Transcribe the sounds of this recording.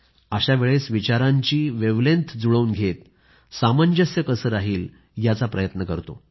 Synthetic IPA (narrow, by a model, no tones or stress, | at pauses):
əɕaʋeɭesʋit͡ɕaɾãɲt͡ɕiːʋeʋlẽnt̪ʰd͡zuɭəunɡʱet̪ | samaɲd͡ʑəsjəkəsəːɾaɦiːl | jat͡sapɾəjət̪nəkəɾt̪o̰